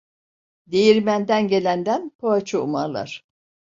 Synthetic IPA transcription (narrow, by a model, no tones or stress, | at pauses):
d̪ejiɾmænd̪ænɟe̞lʲænd̪ænpʰoat͡ʃʰuumaɾlˠa̰ɾ̥